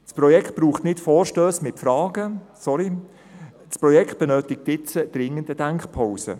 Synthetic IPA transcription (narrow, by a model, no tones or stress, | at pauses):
sprɔjɛkχt̚b̥ruːχtnɪtfɔːɾʃtøːsmɪtfɾɑːɡ̥əsɔɾi | spɾɔjɛkχt̚b̥ɛnøːtɪk̚tɪt͡səd̥ɾɪŋəndədæŋkχpʰaʊsə̰